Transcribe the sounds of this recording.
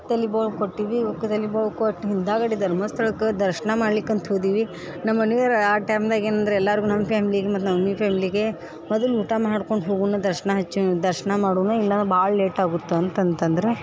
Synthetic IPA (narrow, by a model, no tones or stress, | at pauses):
t̪ɐlibɐkoʈːiːʋiokːɐt̪ɐliboʋkoʈːɦind̪aːɡɐɽid̪ɐɾmɐst̪ʰɐɭɐkːɐd̪ɐɾʃɐnɐmaːɽlikːɐnt̪ɦoːd̪iːʋi | nɐmːɐnuʋɐɾaːʈaːmd̪aːɡeːnɐnd̪ɐɾeɛlːaːɾɡunɐmːɐpʰaːmiliɡemɐt̪ːunɐmɐnipʰaːmiliɡe̞ | mɔd̪ɐluːʈamaːɽkoɳɖɦoːɡunɐd̪ɐɾʃɐɳɐɦɐt͡ʃːud̪ɐɾʃɐɳɐmaːɽuːnɐilːɐnbaːɭɐleːʈaːɡut̪ːuɐnt̪ɐnt̪ɐnd̪ɐɾe